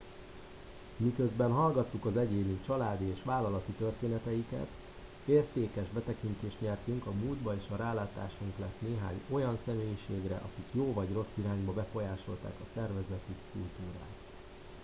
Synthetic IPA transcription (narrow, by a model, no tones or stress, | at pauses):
mikøzbɛnɦɒlɡɒt̪ːukɒzɛɟeːnit͡ʃɒlaːd̪ieːʃʋaːlɒlɒt̪it̪ørt̪eːnɛt̪ɛjikɛ̰t̪ | eːrt̪eːkɛʒbɛt̪ɛkint̪eːʃt̪ɲɛrt̪yŋkɒmuːld̪bɒeːʃɒɾaːlaːt̪a̰ːʃuŋklɛt̪neːɦa̰ːɲo̞jɒnsɛmeːjiʃeːɡrɛ̰ʔɒkikjoːvɒɟro̞sːiɾaːɲbɒbɛfo̞jaːʃo̞lt̪a̰ːkɒsɛrvɛzɛt̪ikult̪uːɾa̰ːt̪